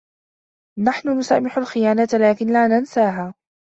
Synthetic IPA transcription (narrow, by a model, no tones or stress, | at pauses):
naħnʊnʊsa̰ːmɪħalxɪjaːnat̪laːkɪnlaːnansaːɦaː